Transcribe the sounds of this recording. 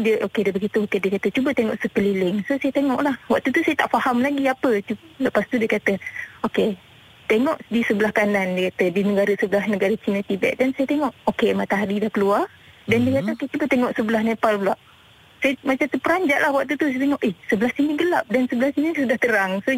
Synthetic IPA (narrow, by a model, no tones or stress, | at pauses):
diəʔokedəbəɡit̪uokediəkat̪ət͡ʃubət̪eŋɔʔsəpəlilɪŋsosajət̪eŋɔʔlahwa̰ʔ̚t̪ut̪usajət̪aʔfahamlaɡiapət͡ʃuləpast̪udiəkat̪əoke | t̪eŋɔʔdisəbəlahkanandiəkat̪ədinəɡaɾəsəbəlahnəɡaɾət͡ʃinət̪ibɛ̰ʔ̚dansajət̪eŋɔʔokemat̪aɦaɾidahkəluar | dandiəkat̪əoket͡ʃubət̪eŋɔʔsəbəlahnepalbulaʔ | sajəmat͡ʃamt̪upəɾaɲd͡ʒaʔlahwak̚t̪ut̪usajt̪eŋɔʔehsəbəlahsiniɡəlap̚dansəbəlahsinisudaht̪əɾaŋso